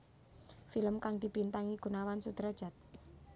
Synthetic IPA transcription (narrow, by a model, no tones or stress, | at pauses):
filəmkaŋd̪i̤b̥int̪aŋiɡ̥ṳnawansud̪̥ɾad̥d͡ʒ̥a̤t̪̚